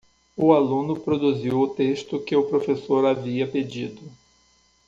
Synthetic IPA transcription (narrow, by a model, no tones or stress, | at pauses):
ʊalũnʊpɾod̪uziwʊt̪eʃt̪ʊkɪʊpɾofesoɾaviɐped͡ʒid̪ʊ